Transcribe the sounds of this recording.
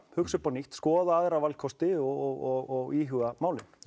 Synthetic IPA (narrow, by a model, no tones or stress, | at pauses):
hʏksʏpawniht̪skɔːðaaðɾawvalkʰɔst̪ɪɔɣɔɣɔɣɔɣiːɦʏɣamaːwlɪ